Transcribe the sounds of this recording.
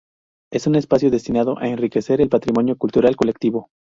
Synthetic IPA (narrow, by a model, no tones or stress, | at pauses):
e̞sune̞spasjoðe̞st̪inað̞o̞ʔaenrike̞se̞ɾe̞lpat̪ɾimo̞njokult̪uɾalko̞le̞k̚t̪iβo